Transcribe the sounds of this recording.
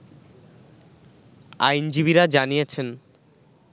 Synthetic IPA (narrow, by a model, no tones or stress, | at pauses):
ajnd͡ʑibiɾad͡ʑanijet͡ɕʰen